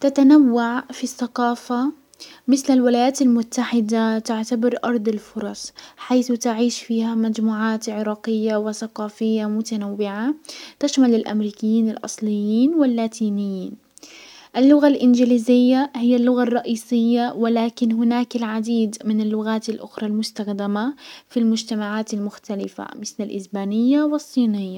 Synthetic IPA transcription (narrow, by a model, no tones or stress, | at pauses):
t̪at̪anawːaʕfiθːaqɑːfa | mɪθlalwɪlaːjaːt̪almʊt̪ːaħɪd̪at̪ɪʕt̪abɪɾʔɑɾˤd̪ˤɪlfʊɾˤɑsˤħajθt̪ɪʕiːʃfiːhamad͡ʒmuːʕaːt̪ʕɪɾɑːqɪjːawɪθaqɑːfɪjːamʊt̪anawːɪʕat̪aʃmalɪlʔa̰mɾiːkɪjːiːnɪlʔɑ̰sˤlɪjːiːnwɪlːaːt̪ʰiːnɪjːiːn | ʔalːʊɣalʔɪnd͡ʒɪliːzɪjːahɪjːalːʊɣarˤːɑʔiːsɪjːawɪlaːkɪnɦʊnaːkalʕad̪iːd̪mɪnalːʊɣaːt̪alʔʊxɾˤɑlmʊst̪axd̪amafilmʊd͡ʒt̪amaʕaːt̪almʊxt̪alɪfa̰mɪθlalʔɪ̰sbaːnɪjːawɨsˤːiːnɪjːa